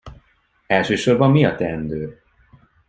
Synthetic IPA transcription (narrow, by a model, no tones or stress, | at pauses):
ɛlʃøːʃo̞rbɒmːiɒt̪ɛnd̪øː